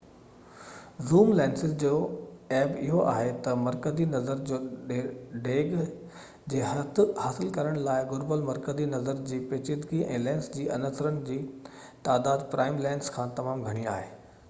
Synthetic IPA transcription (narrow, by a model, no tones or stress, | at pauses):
zuːmlɛ̃ːnsɪzd͡ʑoːɛːbɪɦoʔa̰ːɦet̪ɐmɐɾkəzinɐzəɾd͡ʑoː | ɖeːɡ | d͡ʑeːhɐt̪ʰhaːsɪlkɐɾəɽ̃laːɪɡʊɾbəlmɐɾkəzinɐzəɾd͡ʑiːpeːt͡ɕɪd̪ɡiʔɛ̰̃ːlɛ̃ːnsd͡ʑiːʔɐnəsɾənɪ̆d͡ʑiːt̪aːd̪aːd̪pɾʔaːɪmlɛːɪnskʰãːt̪ɐmaːmɡʱɐɽ̃ia̰ːɦeː